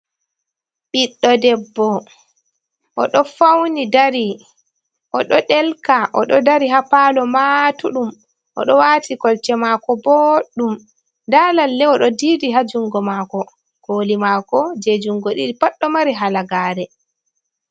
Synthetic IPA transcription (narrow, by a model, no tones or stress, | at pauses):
ɓiɗːɔdɛbːɔ | ʔɔɗɔfawnidaɾi | ʔɔɗɔɗɛlkaʔɔɗɔdaɾiɦapalɔmatuɗum | ʔɔ̰ɗɔwatikɔlt͡ʃɛmakɔboɗum | dalalːɛɔɗɔdidiɦad͡ʒuŋɡɔmaːkɔ | ɡ̥oːlimakɔd͡ʒed͡ʒuŋɡɔɗiɗipaɗːɔmaɾiɦalaɡaːɾɛ